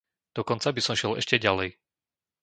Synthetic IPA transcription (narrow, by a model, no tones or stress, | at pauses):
d̪̥ɔkɔnt͡sabisɔmʃɪɛlɛ̰ʃcɛɟalɛj